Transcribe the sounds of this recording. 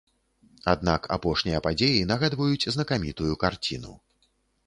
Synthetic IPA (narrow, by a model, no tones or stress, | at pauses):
ad̪̚naka̰pɔʂnʲijɐpad͡zʲejinɐɣad̪vɐjut͡sʲznɐkamʲit̪ujukart͡sʲinṵ